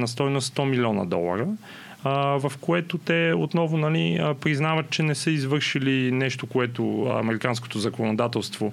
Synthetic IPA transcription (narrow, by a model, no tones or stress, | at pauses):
nɐst̪ɔjnost̪ɔmilʲiɔnə̰d̪ɔ̰lˠə̰ɾə | vɐfkoɛt̪ot̪ɛot̪nɔvʊnɐliəpɾiznavət̪̚t͡ʃɛnɛsəizvɤɾʃilinɛʃt̪okoɛt̪oɐ̰mɛɾikansko̥t̪ozɐkonod̪at̪ɛlˠst̪vo